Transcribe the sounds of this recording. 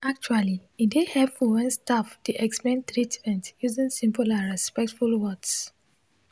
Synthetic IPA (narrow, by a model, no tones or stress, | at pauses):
ak̚t͡ʃualiĩndehɛfuwɛ̃nstafdiʔɛksmɛ̃nt̪ɹitmɛ̃ntjuzĩnsĩmpulãɹɛspɛk̚tfulwɔds